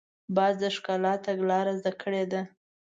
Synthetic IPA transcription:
bɑzd̪əʂkɑlɑt̪aɡlɑɾazd̪akʰəɽed̪a

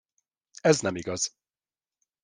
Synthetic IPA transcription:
ɛznɛmiɡɒz̥

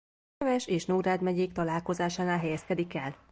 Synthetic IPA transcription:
vɛʃeːʃnoːɾaːd̪mɛɟeːkt̪ɒlaːlko̞zaːʃaːnaːlɦɛjɛskɛd̪ikɛl

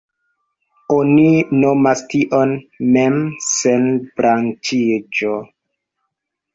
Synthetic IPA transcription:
oninomastiʔonmemsenbɾant͡ʃid͡ʒo

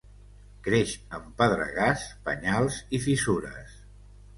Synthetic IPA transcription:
kɾeʃəmpəðɾə̰ɣaspə̰ɲalˠzifisuɾə̰s

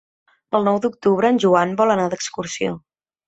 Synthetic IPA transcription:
əlˠnɔwd̪uk̚t̪uβɾəːnʲʒuanbɔlˠənad̪əkskuɾsio̰

